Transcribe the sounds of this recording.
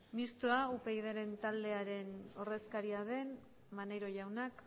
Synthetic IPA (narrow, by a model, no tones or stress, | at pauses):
mist̪uaupe̞iðeɾe̞nt̪ald̪e̞aɾe̞no̞re̞skaɾiaðe̞n | mane̞jɾo̞ʝawnak